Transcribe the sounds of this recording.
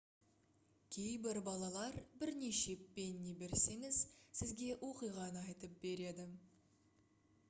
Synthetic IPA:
kʲʰe̞jbɪɾbɑlˠɑlˠɑɾbɪɾne̞ʃe̞pːe̞nːebe̞ɾse̞ŋɪz̥sɪzɡʲe̞wʔo̞qijʁɑnəɑjt̪əp̚be̞ɾe̞d̪ɪ

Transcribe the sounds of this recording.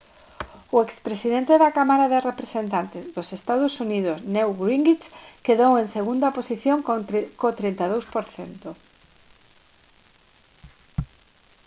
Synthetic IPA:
ʊekspɾesiðent̪eðakamaɾaðerepɾesent̪ant̪ɪzðosest̪aðʊsuniðʊsnewɡɾiŋɡit͡ʃkeðowẽŋseɣund̪ɐposiθjoŋkkot̪ɾint̪aðowspoɾθḛnt̪ʊ

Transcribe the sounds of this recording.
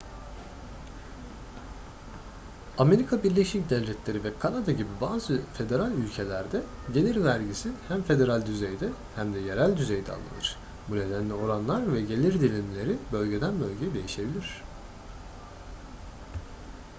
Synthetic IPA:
ame̞ɾikʰabiɾlʲeʃicd̪ɛvlʲɛt̪lʲe̞ɾivɛkʰanad̪aɟibibaːzɯfe̞d̪e̞ɾalʲylʲcʰe̞lʲæɾd̪ɛ | ɟe̞lʲiɾvæɾɟisihæmfe̞d̪e̞ɾalʲd̪yzejd̪ɛhæmd̪ɛje̞ɾælʲd̪yze̞jd̪ɛa̰lˠːɯ̰nɯ̥ɾ̥ | bune̞d̪ænlʲio̞ɾanlˠaɾvɛɟe̞lʲiɾd̪ilʲimlʲe̞ɾibø̞lʲɟe̞d̪ænbø̞lʲɟejd̪e̞jiʃe̞bilʲiɾ̝̥

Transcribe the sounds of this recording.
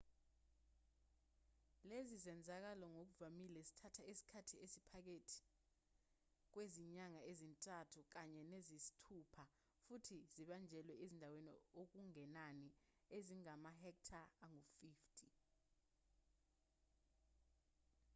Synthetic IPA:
lezizɛnd͡zʱak̬alɔŋok̬uvamilɛsi̥tʰatʰaesi̥kʰatʰiesipʰak̬etʰi̥ | k̬weziɲaŋaezintʼatʰuk̬aɲɛnezisi̥tʰupʰa | futʰiziɓand͡ʒʱɛlwɛezindʱawenḭok̬uŋɛnani | eziŋamahɛk̚tʰaaŋufiːftʼi

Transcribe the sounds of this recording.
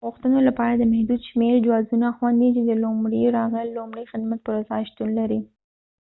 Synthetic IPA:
ɣuxt̪ənolapɑɾad̪əmɛhd̪ud̪ʃmeɾd͡ʒwɑzunaxwand̪it͡ʃed̪əlumɽiɾɑɣəlːomɽəjxɪd̪mat̪̚pəɾazɑʃt̪unlaɾi

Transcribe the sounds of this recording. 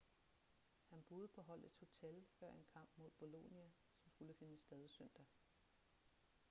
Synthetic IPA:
hænb̥o̝ːð̞ˠpʰɒ̽ɦɒ̽l̰e̝d̥ho̝t͡sʰelfɶɐ̰e̝nkʰɑ̈m̰b̥mo̝ð̰ˠb̥o̝lo̝niæ | sɒ̽msɡ̥uləfe̝nəsd̥ɛð̞ˠisœn̰d̥ɐ

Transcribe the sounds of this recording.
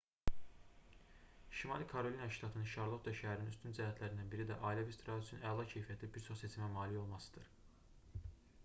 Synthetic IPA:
ʃimɑlˠikʰɑɾo̞lʲinɑʃt̪ɑt̪ʰɯnɯnʃɑɾlˠo̞t̪ʰd̪ɑʃæɦæɾninyst̪ynzæɦæt̪ʰlæɾind̪ænbiɾid̪æʔɑːlʲevest̪ɾɑysʰynælˠɑcʰe̞jfijæt̪ʰibiɾt͡ʃʰo̞χse̞t͡ʃʰimæmɑːlijo̞lˠmɑsɯ̥d̪̥ɯɾ̥

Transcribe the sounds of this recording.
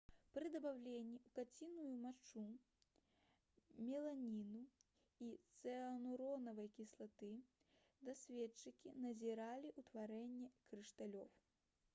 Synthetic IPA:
pɾɨd̪ɐbawlʲenʲːiukat͡sʲinujumat͡ʂu | mʲɛlˠanʲinu | it̪sɛɐnuɾɔnɐvɐjkʲislˠat̪ɨ | d̪ɐsʲvʲɛt͡ʂːɨkʲinɐzʲɛɾalʲiʔut̪vaɾɛnʲːɛkɾɨʂt̪alʲɔw

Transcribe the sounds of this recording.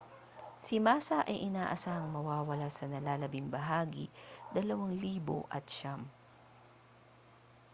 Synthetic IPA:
sɪmaːsɐʔɐjʔɪnaːʔɐsaːhɐŋmɐwaːwɐlasɐnɐlaːlɐbɪŋbɐɦaːɡḭd̪ɐlɐwaŋliːbo̰ʔɐ̰t̪ʃam

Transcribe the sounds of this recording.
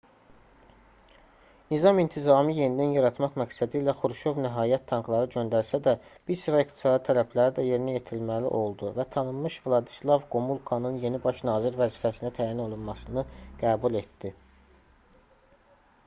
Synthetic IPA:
nizɑmint̪ʰizɑːmɯje̞nid̪ænjɑɾɑt̪mɑχmæcsæd̪iːlæχuɾʃo̞vnæɦɑːjæt̪ʰːɑŋɡlˠɑɾɯɟø̞nd̪æɾsæd̪æb̥iɾsiɾɑikt̪ʰi̥sɑːd̪it̪ʰælæplæɾid̪æje̞ɾinije̞t̪ʰilmælḭʔo̞lˠd̪uvæt̪ʰɑnɯmːɯʃvlˠɑd̪i̥slˠɑvɡomulˠkʰonɯnje̞nibɑʃnɑːziɾvæziːfæsinæt̪ʰæːjino̞lˠunmɑsɯnɯɡ̥æːbule̞t̪d̪i

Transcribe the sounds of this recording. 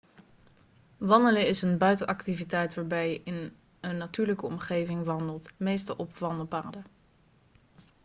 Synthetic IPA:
ʋɑndələɪsənbœɥtənʔɑktivitɛjtʋaːɹbɛjɪn | ənːatyːɹləkəɔmχejvɪŋʋɑndəlˠtmejstɑlˠʔɔpʋɑndˠpaːdə

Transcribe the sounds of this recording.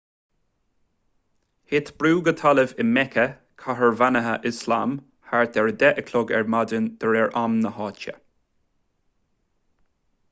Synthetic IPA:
hɪt̪b̥ɾuːɡət̪ʰaləvɪmɛkʰə | kʰaɦəɹvanəɦəʔɪslam | haɹt̪ɛɹd̪ɛʔəkʰlɔɡɛ̰ɹmad̪ənd̪̥əɹɛɹʔamnəhɑːt͡ʃə̰

